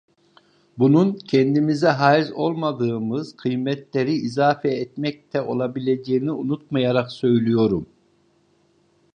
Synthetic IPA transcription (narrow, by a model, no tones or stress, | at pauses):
bununcʰɛnd̪imizɛɦaːizo̞lˠmad̪ɯːmɯz̥qʰɯjmɛt̪lʲeɾiʔizaːfɛːt̪mɛc̚t̪ʰɛo̞lˠabilʲed͡ʒeːniunut̪̚majaɾaqsø̞jlʲijo̞ɾum